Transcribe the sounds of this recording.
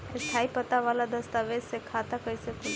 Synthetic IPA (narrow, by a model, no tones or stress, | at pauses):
est̪ʰaːipət̪aʋaːlad̪əst̪aʋed͡ʒsekʰaːt̪akəisekʊ